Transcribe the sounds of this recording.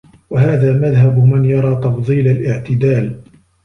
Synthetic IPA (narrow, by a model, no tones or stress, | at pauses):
waɦaːðaːmaðɦabmɪnjɑɾˤɑːt̪ɑfðˤiːlalʔɪʕt̪ɪd̪aːl